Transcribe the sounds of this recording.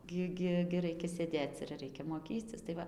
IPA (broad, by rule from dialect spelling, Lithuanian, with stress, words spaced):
ˈɡʲɪ ˈɡʲɪ ɡʲɪ ˈrɐɪkʲɛ sʲeːˈdʲeːt͡s ɪr ˈrʲɛɪkʲɛ moːˈkʲiːt͡sʲɪs tɐɪ ˈʋɐ